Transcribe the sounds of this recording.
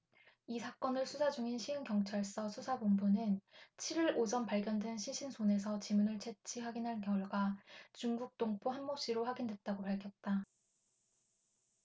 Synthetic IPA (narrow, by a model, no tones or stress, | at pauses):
isʰak͈ʌnɯɭsʰusʰad͡ʑuŋinɕʰiɯnkjʌŋt͡ɕʰaɭs͈ʌsʰusʰabombunɯnt͡ɕʰiɾiɾod͡ʑʌnpaɭɡjʌndwe̞nɕʰiɕʰinsʰone̞sʰʌt͡ɕimunɯɭt͡ɕʰet͡ɕʰiɦaɡinɦankjʌɭɡwat͡ɕuŋɡuk̚t͈oŋpʰoɦanmʌp̚ɕ͈iɾoɸaɡindwe̞t̚t͈aɡopaɭkʰjʌt̚t͈a